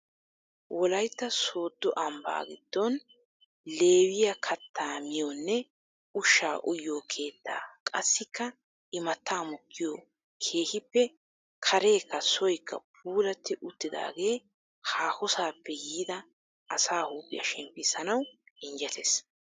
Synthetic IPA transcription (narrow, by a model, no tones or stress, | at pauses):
wʔɔlɐjt̪ːɐso̞ːd̪ːɔʔɐmba̰ːɡɪd̪̥ːɔn | le̞ːwɪjɐkʰɐt̪ːaːmɪjonːɛ | ʊʃːaːʔʊjːoːkʰe̞ːt̪ːa̰ːkʼɐsːɪkːɐ | ʔɪmɐt̪ːaːmɔkːɪjoː | kʰeːhɪpːɛ | kʰɐɾe̞ːkːɐsɔjkʰːɐ̰p̚ʰuːlɐt̪ːɪʔʊt̪ːɪd̪a̰ːɡe̞ː | haːhɔsaːpːɛjiːd̪ɐ | ʔɐsaːhuːpʼːɪ̰jɐ̰ʃɛmpːɪsɐnɐwɪnd͡ʒɛt̪ʰes